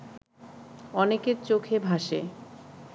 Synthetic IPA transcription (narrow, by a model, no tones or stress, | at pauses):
ɔnekeɾt͡ɕokʰebʱaʃe